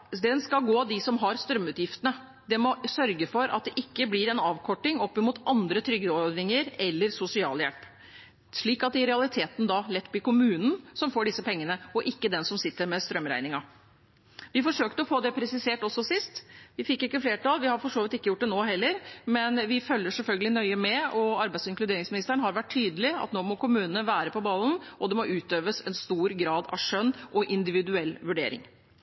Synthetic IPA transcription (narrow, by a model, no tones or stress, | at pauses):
d̪ɛnskɑlɡoːd̪ɪsɔmɦɑɾst̪ɾœmːʉːt̪jɪft̪ənə | d̪ɛmɔsœɾɡəfɔɾɑt̪̚d̪ɛʔɪkːəblɪɾɛnɑːʋkʰɔʈːɪŋɔpːɪmuːt̪ʰɑnd̪ɾət̪ʰɾʏɡəɔd̪ɪŋəɾɛlːəɾsʊsɪɑ̰ːljɛlp | ʂɭiːkɑt̪̚d̪ɛɪɾɛɑlɪt̪ʰeːt̪n̩d̪ɑlɛt̪ːb̪ɪkʊmʉːnn̩sɔmfoːɖɪsːəpʰɛŋːənəɔʔɪkːəd̪ɛnsɔmsɪt̪ːəɾmɛst̪ɾœmɾæ̰ɪnɪŋɑ | ʋɪfɔʂøːkt̪əɔfoːd̪ɛpʰɾɛsɪseːʈɔsːɔsɪst̪ʋɪfɪkːɪkːəfleːʈɑlʋɪhɑɾfɔʂoːʋɪt̪ɪkːəjʊʈ̚d̪ɛnoːɦɛlːəɾmɛnʋɪfœlːəʂɛlfœlɡəlɪnœʏəmɛɔɑɾbæɪsɪŋklʉd̪eːɾɪŋsmɪnɪst̪əəɳ̩ɦɑɾʋæʈʰːyːd̪əlɪɑ̰t̪noːmɔkʊmʉːnənəʋæːɾəpɔbɑln̩ʔɔd̪ɛmɔʔʉːt̪øːʋəsɛ̰nst̪uːɾɡɾɑːd̪ɑ̰ʋʂœnːʔɔʔɪnd̪ɪʋɪd̪ʉɛlːʋʉɖeːɾɪ̰ŋ